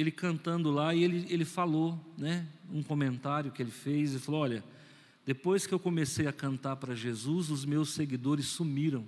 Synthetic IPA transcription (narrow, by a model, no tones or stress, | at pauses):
elɪkɐ̃nt̪ɐ̃nd̪ʊlaɪelɪelɪfalonɛũkomẽnt̪aɾjʊkɪelɪfejzɪfaloɔlʲɐ | d̪̥epojskɪewkomesejɐkɐ̃nt̪aɾpɾɐʒezuzʊzmewsːeɡid̪oɾɪsːumiɾɐ̃w̃